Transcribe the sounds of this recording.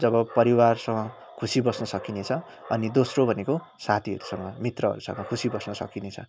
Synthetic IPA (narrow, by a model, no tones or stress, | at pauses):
d͡zʌβʌpʌɾiwarsʌŋʌ | kʰusibʌsnʌsʌkinet͡sʰʌ | ʌnid̪osrobʱʌneko | sat̪ʰiɦʌ̰ɾusʌŋɡʌmit̪rʌɦʌ̰ɾusʌ̰ŋɡʌkʰusibʌsnʌsʌ̰kinet͡sʰʌ̰